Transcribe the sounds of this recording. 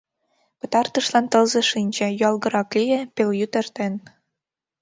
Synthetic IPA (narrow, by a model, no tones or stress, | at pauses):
pɤ̆t̪ɑrt̪ɤ̆ʃlɑnt̪ɤ̆lzɤ̆ʃinʲd͡ʑĕjyɑlˠɣɤ̆ɾɑklijepelʲjyt̪ĕrt̪en